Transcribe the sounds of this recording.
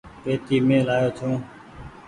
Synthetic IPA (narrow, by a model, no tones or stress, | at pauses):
peːt̪iːmẽːlaːjoːt͡ʃʰõː